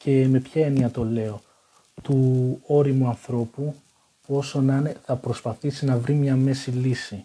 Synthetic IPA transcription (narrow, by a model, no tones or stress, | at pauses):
ce̞me̞pçɐeniɐt̪o̞le̞o̞ | t̪uo̞ɾimuɐnθɾo̞pu | puo̞so̞nɐneθɐpɾo̞spɐθisinɐvɾimɲɐme̞silisi